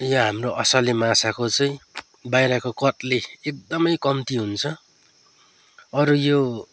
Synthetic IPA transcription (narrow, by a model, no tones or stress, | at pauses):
jaɦamroʔʌsʌlimasakot͡sʌĩ | bajɾakokʌt̪leek̚d̪ʌmʌjkʌmt̪iɦunt͡sʰʌ | ʌɾujo